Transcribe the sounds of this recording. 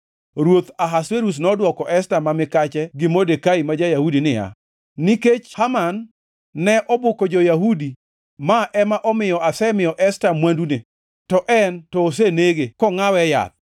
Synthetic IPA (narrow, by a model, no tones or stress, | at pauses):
ɾwot̪aɦasweɾus̬nɔdwɔkɔʔɛstamamɪkat͡ʃɛɡɪmodekaimad͡ʒajahudinɪja̰ | niket͡ʃhamanː | ɛʔɔbokod͡ʒojaɦudi | maʔɛmaʔɔmɪjɔasɛmɪjɔʔɛstamwandune | tɔʔɛntɔːs̬eneɡekɔŋawɛja̰t̪̚